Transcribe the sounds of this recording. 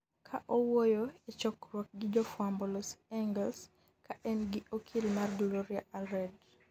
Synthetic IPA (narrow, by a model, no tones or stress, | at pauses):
kʰaʔɔwojoet͡ʃɔkɾwɔk̚ɡɪd͡ʒɔfwambɔlɔsɛŋɡɛls | kʰaʔɛnɡɪokʰilmarduloɾijaʔalɾɛd